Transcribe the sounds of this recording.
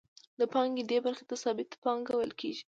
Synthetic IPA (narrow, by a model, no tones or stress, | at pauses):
d̪əpɑŋɡed̪ebaɾxet̪asɑbɪt̪pɑŋɡawəlkʰḛʒi